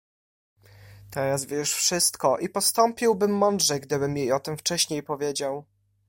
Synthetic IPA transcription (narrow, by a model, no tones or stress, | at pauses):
t̪ɛɾazvʲjɛʂfʂɘst̪kɔʔipɔst̪ɔmpʲiwbɘmːɔnd̪ʐɛɡd̪ɘbɘmjejɔt̪ɘmft͡ʂɛɕɲejpɔvʲjed͡ʑaw